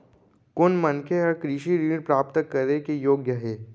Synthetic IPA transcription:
kʊnmənkʰeɔɾkɾɪʃiɾiːɽpɾaːpt̪əkːəɾnekejoːɡjəɦɛː

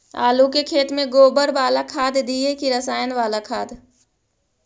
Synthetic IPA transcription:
a̰ːlukekʰeːt̪mẽɡoːbəɾʋaːlakʰaːd̪d̪iːekiɾəsaːjənʋaːlakʰaːd̪

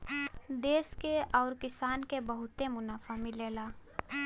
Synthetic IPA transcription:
d̪eːskeɔːɾkɪsaːnkebəɦʊt̪emʊnaːfʰamɪleːlaː

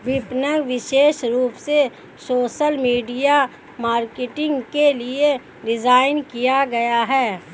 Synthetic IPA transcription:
ʋɪpnəŋɡʋɪʃeːʃɾuːpse | soːʃəlmiːɖija | maːɾkeʈɪ̃ŋɡkelie | ɾɪzaːɪnkijaɡɐjaɦɛː

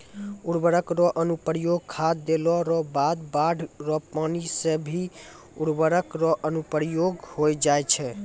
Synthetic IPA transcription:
uɽbəɾəkɾɔʔənupəɾjoɡ̚kʰad̪elɔɾɔbad̪baɖʱɾɔpanisebʱi | uɽbəɾəkɾɔʔənupəɾjoɡhojd͡ʒajt͡ʃʰɛ

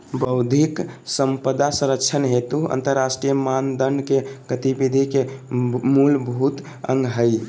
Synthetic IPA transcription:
bəʊd̪ʱiksəmpəd̪asə̃ɾək̚t͡ʃʰənɦet̪uə̰̃nt̪əɾːasʈɾijəmand̪ənkeɡət̪ibid̪ʱikemulbʱut̪ | əŋɡɦəj

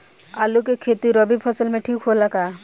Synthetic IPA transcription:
alukekʰet̪uɾɔbipʰɔsɔlmẽʈʰikɦolaka

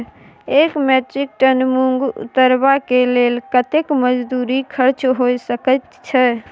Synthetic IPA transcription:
ekmeʈɾik̚ʈənmuŋɡṵt̪ːəɾbakelelkət̪ekməd͡ʒd̪uɾikʰəɾt͡ʃɦojsəkət̪t͡ʃʰɛ

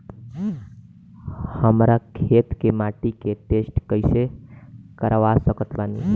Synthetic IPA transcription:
həmɾakʰet̪kemaʈiket̪esʈkəjsekəɾʋasəkət̪bani

